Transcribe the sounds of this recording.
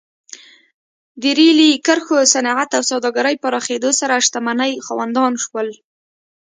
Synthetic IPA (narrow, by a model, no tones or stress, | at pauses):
d̪əɾilikəɾxosanɑʕat̪awsɑwd̪ɑɡaɾəjpaɾɑxed̪osaɾaːʃt̪amanəjxɑwand̪ɑnʃwəl